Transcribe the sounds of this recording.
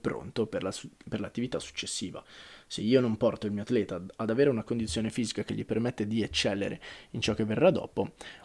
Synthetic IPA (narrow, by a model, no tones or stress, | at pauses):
pɾo̰nt̪opeperlat̪ːivit̪asːu̥t͡ʃːesːiːva̰seiːonompɔrt̪oilmiːoat̪lɛːt̪aːd̪aveːɾeunakond̪it̪sjoːnefiːzikak̟eʎːipermet̪ːed̪iet͡ʃːɛlːḛɾḛint͡ʃɔk̟ːevːerːad̪ːɔ̰ːpo